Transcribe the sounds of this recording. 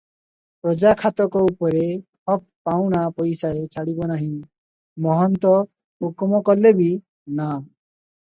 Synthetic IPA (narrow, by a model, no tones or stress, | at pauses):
pɾɔd͡ʒakʰat̪ɔkɔupɔɾepʰɔk̚paw̃ñapɔjsaet͡ʃʰaɽibɔnaɦĩ | mɔɦɔnt̪ɔ | ukɔmɔkɔlebi | na